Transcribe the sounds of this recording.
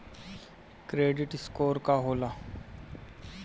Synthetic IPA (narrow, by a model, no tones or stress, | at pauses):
kɾeɖiʈskoːɾkaɦola